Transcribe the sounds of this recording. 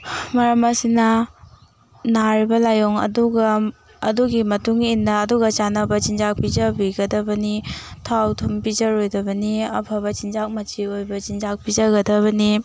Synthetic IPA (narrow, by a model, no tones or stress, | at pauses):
mɐɾɐmɐsinɐ | naɾibɐlajoŋɐ̰duɡɐː | duɡimɐtuŋinːɐːduɡɐt͡ʃanɐbɐt͡ʃind͡ʒak̚pizɐbiɡɐdɐbɐnitʰawtʰumpizɐɾojdɐbɐniɐpʰɐβɐt͡ʃind͡ʒak̚mɐt͡ʃiojbɐt͡ʃind͡ʒak̚pizɐɡɐdɐβɐni